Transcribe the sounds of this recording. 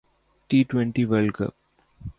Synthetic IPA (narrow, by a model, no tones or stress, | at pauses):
ʈiːʈʋɛ̃ɳʈiʋelkə̰p